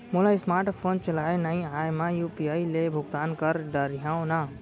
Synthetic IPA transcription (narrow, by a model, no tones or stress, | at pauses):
mʊlaɪsmaːɾʈpʰoːnt͡ʃəlaːenaĩaːjmãjuːpiaːilebʱʊɡt̪aːnkəɾɖəɾijãːõna